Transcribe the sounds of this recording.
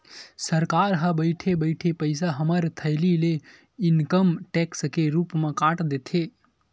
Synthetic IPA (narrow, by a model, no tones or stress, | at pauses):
səɾkaɾɦəbəjʈʰebəɪʈʰepəɪsaɦəməɾt̪ʰəɪlile | inkəmʈekskeɾupmẽkãʈd̪et̪ʰe